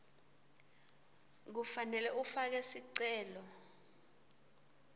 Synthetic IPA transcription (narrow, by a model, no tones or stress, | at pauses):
k̬ufanɛlɛʔufak̬ɛsiǀɛːlɔ